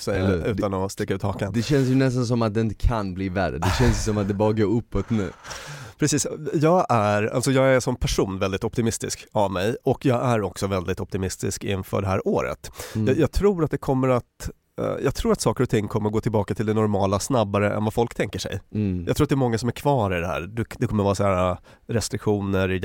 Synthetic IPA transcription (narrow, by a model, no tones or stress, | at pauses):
sɛjaʉ̟ːt̪anɔst̪ɪkːaʉ̟t̪hɑːkand̪ɛɕɛnsjɵnɛst̪ans̬ɔmat̪̚d̪ɛɪnt̪ə̥kʰanbliːvæɾːə̰d̪ɛɕɛnssɔmat̪̚d̪ɛbɑːɾaɡoːɾɵpːɔt̪nʉ̟̰ːpʰɾɛsiːsjɑːɡæɾa̰lsɔjɑːɡæʂɔmpʰæʂuːnvɛld̪ɪt̪ɔpt̪ɪmɪst̪ɪ̰skavmɛjɔkjɑːɡæɾɔksɔvɛld̪ɪt̪ɔp̚t̪ɪmɪst̪ɪ̰skɪ̰nfœ̰ɖɛɦæ̰ːɾʔoːɾə̰t̪jjɑːɡt̪ʰɾuːɾat̪̚d̪ɛkʰɔmːəɾat̪ | jʔɑ̰ːɡt̪ʰɾuːɾat̪sɑːkəɾɔt̪ʰɪŋːkʰɔmːəɾɡoːt̪ɪlbɑːkat̪ʰɪld̪ɛnɔɾmɑːlasnabːaɾəɛ̰nvafɔlkt̪ʰɛŋkəʂɛ̰jjɑ̰ɡt̪ɾuːat̪̚d̪ɛːɾmɔŋːasɔmæɾkʰvɑːɾɪd̪ɛhæ̰ːɾd̪ɛd̪ɛkʰɔməɾvɑːɾasæːɾa | ɾɛst̪ɾɪkɧuːnəɾ